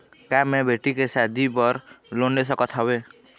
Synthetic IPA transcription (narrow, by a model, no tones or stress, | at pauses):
kamebʱeʈikesad̪ʱibɔɾlonles̬ɔkɔt̪ʰawe